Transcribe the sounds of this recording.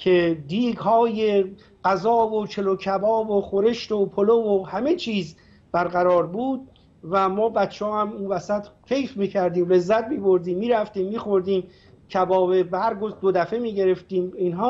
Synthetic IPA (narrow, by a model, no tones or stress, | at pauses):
cʰed̪iːɡɦɒːje | ɢ̥æzɒːvot͡ʃʰe̞locʰæbɒːboxoɾe̞ʃt̪opʰolovohæmet͡ʃʰiːz | b̥æɾɡæɾɒːɾbuːd̪̚ | væmɒːbæt̪t͡ʃʰːeɒːhæmunvæsæt̪kʰe̞jfmiːcʰæɾd̪iːmle̞zːæt̪̚miːbo̞ɾd̪iːmːiːɾæft̪iːmːiːxo̞ɾd̪iːm | cʰæbɒːbebehæɾɡozd̪od̪æfe̞miːɟe̞ɾe̞ft̪iːminɦɒː